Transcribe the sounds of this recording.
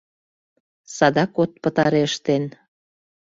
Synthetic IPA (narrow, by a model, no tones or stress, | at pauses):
sɑd̪ɑkot̪̚pət̪ɑɾeʃt̪en